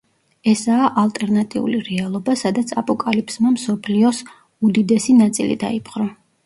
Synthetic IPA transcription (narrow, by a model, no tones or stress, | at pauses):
ɛsaːʔalˠt̪ʼɛɾnat̪ʼiṵliɾɛalˠɔbasad̪at̪sʰa̰pʼɔkʼalipsmamsɔpʰliɔs | ud̪id̪ɛsinat̪sʼilḭd̪a̰ipʰʼqʼɾɔ